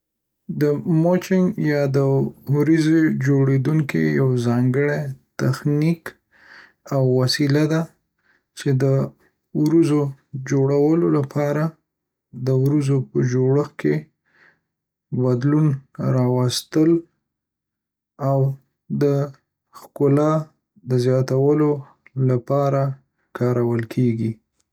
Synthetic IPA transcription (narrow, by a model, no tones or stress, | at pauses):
d̪əmot͡ʃɪŋɡjɑd̪əwɾized͡ʒoɽed̪uŋkḭjawzɑŋɡəɽet̪axnik | awːasilad̪a | t͡ʃed̪ə | wɾəzod͡ʒoɽawəlolapʰɑɾa | d̪əwɾəzopəd͡ʒoɽəxke | bad̪lunɾɑwast̪əl | aw | d̪ə | xkʊlɑ | d̪əzjɑt̪awəlo | lapɑɾa | kɑɾawəlkʰeɡi